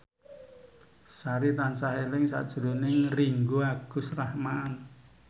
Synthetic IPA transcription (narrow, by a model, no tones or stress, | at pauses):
saɾit̪ansaɦelɪŋsa̰d̥ʒ̥ɾo̤nɪŋriŋɡuaɡ̥ṳsrahmaːn